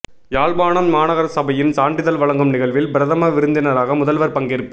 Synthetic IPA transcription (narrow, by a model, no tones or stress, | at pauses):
jaːɭbaːɳɐmːaːnɐɣɐɾsɐbɐjɪnsaːɳɖɪðɐlʋɐɭɐŋɡɯmnɪɣɐɭʋɪlbɪɾɐðɐmɐʋɪɾɯnd̪ɪnɐɾaːɣɐmʊðɐlʋɐɾpɐŋɡɪɾɯpːɯ